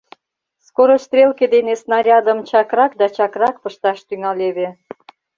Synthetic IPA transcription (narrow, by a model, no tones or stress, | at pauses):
skoɾost̪rʲelked̪enesnɑɾʲɑd̪əmt͡ɕɑkrɑkd̪ɑt͡ɕɑkrɑk̚pəʃt̪ɑʃt̪yŋɑlʲeβe